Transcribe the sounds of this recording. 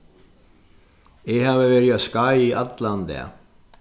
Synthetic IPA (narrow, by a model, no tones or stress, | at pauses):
ɪɣhaːvɪvɛːɾiaskajiʔat̪land̪ɛ̰a̰